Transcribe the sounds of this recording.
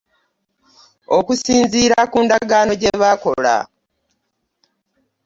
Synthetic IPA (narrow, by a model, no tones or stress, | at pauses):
o̞kusiːnziːɾakuːndaɡaːno̞ɟe̞βako̞̰la̰